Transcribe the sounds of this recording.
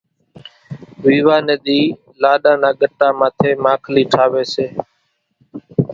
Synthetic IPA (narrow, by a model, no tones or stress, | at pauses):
ʋiːʋaːneːɗ̪iː | laːɗãːnãːɠəʈːaːmãːt̪ʰeːmaːkʰliːʈʰaːʋeːseː